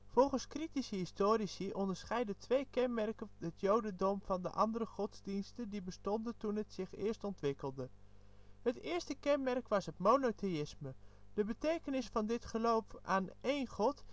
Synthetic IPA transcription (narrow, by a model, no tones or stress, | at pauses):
v̥ɔlˠχənskritisəɦɪstoːɾisiʔɔndəɹsχɛjdətʋejkɛnmɛrkəɦətjowdəndɔmvɑndə̰ʔɑndəɾəχɔdzdinstəndibəstɔndəntunɦətsɪχɪːɹstɔntʋɪkəlˠdə | ɦətɪːɹstəkɛnmɛrkʋɑsɦətmonotejɪsməd̥əbətejkənɪsfɑndɪtχəlowfaːnejnχɔt